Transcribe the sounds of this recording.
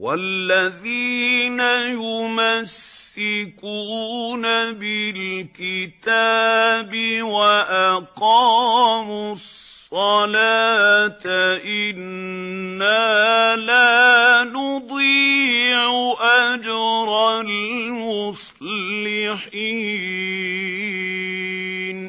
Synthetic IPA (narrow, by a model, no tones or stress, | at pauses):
walːaðiːnajʊmasːɪkuːnabɪlkɪt̪aːbɪwaʔaqɑːmʊssˤːɑlaːt̪aʔɪnː | aːlaːnʊd̪ˤiːʕʊʔad͡ʒɾˤɑlmʊsˤ | lɪħi | n